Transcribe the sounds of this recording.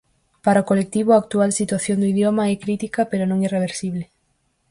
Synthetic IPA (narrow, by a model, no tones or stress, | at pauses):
paɾaokolek̚t̪iβʊaːk̚t̪ualsit̪waθjond̪uiðjomaɛkɾit̪ikɐpeɾonõŋireβ̞eɾsiβ̞le